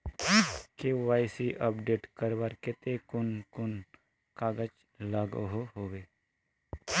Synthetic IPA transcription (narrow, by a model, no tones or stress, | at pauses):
keʋaːjsiʔəpɖeːʈkəɾʋaɾkɪt̪ekʊnkʊn | kaːɡət͡ʃ | laːɡɦoɦoːʋeː